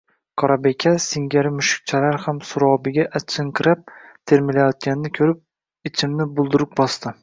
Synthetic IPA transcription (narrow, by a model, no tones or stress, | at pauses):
kʰɒɾabe̞kʲʰasɪŋɡʲaɾɪmʊʃɪ̥k̚ʲt͡ʃʰalaɾhamsʊɾɒwbɪɡʲaʔaɪŋkʰɪɾap̚t̪ʰeɾmɪlajɒt̪̚ɡʲanɪnɪkʲʰɵɾɪp̚ | ɪt͡ʃʰɪmnɪbʊlˠd̪ʊɾɪp̚bɒst̪ɪ